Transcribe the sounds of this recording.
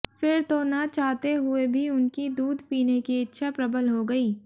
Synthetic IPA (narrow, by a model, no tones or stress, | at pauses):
fɪɾt̪onɐt͡ʃaːɦt̪eɦʊebʱiʊnkid̪uːd̪ʱpiːnekiɪtːʃʰapɾɐbəlɦoɡɐiː